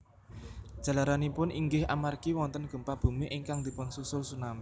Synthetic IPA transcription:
ʒ̥ä̤laɾanipʊnʔiŋɡɪhʔa̰markiwɔnt̪ənɡ̥ə̤mpab̥ṳmiʔɪŋkaŋd̪̥i̤pəŋsusʊlsunami

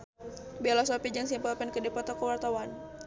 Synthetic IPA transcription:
bialasɔpid͡ʒaŋsimpalpɛnkədipɔt̪ɔkəwart̪awan

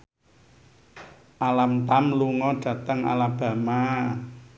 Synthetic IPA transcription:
ʔalamt̪amluŋɔɖ̥ä̤t̪əŋa̰lab̥a̤ma

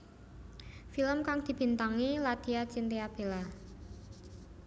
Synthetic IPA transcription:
filəmkaŋd̪̥i̤b̥i̤nt̪aŋilad̪̥i̤at͡ʃint̪eab̥e̤la

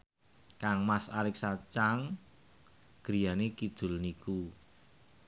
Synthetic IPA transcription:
kaŋmasalɪksat͡ʃaŋ | ɡ̥ɾi̤janekid̪̥ʊ̤lniku

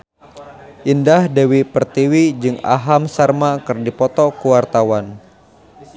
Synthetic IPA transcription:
ʔindahdewipərt̪iwid͡ʒɨŋa̰ɦamsarmakɨrdipɔt̪ɔkuwart̪awan

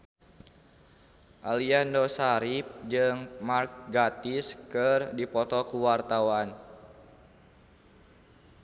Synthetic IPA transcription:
ʔaliandɔsaɾip̚d͡ʒɨŋmark̚ɡat̪iskɨrdipɔt̪ɔkuwart̪awan

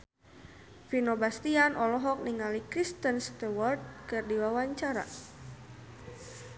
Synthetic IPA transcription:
finobast̪ianʔɔlɔɦɔk̚niŋalikɾist̪ənst̪ɛwɔrd̪̚kɨrdiwawaɲt͡ʃaɾa̰

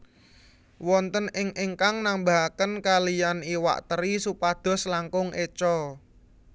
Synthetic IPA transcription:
wɔnt̪ənɪŋʔɪŋkaŋnambaɦkənkalijaniwa̰ʔt̪əɾisupad̪̥ɔ̤slaŋkʊŋʔet͡ʃɔ

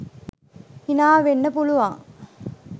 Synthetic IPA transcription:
inaːʋenːɐpuluʋaːŋ

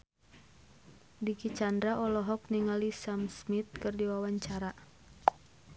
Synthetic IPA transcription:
dikit͡ʃandɾaʔɔlɔɦɔk̚niŋalisamsmit̪̚kɨrdiwawaɲt͡ʃaɾa

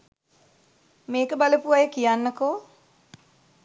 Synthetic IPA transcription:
meːkəbaləpuʋajəkijanːəkoː

